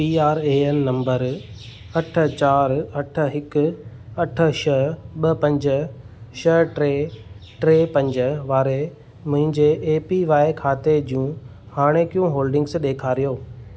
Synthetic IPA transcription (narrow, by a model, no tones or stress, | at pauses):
piːaːɾeːɛnːɐ̃mbəɾ | ɐʈʰə̆t͡ɕaːɾɐʈʰə̆ɦɪkʊ | ɐʈʰə̆ʃɐɦɓɐpɐ̃ɲd͡ʑə | ʃɐɦʈɾeːʈɾeːpɐ̃ɲd͡ʑə̆ʋaːɾe | mʊ̃ɦɪ̃ɲd͡ʑeʔːpiʋaːekʰaːt̪ed͡ʑjũ | haːɽ̃ekijũɦoːlɖɪ̃ŋɡsɗeːkʰaːɾijoː